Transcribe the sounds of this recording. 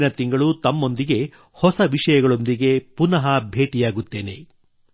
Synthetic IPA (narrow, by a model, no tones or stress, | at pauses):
nɐt̪iŋɡɐɭut̪ɐmːo̞nd̪iɡe̞ | hɔsɐʋiʂɐjɐɡɐɭo̞nd̪iɡe̞punɐɦɐbʱe̞ːʈijaːɡut̪ːe̞ːne̞̰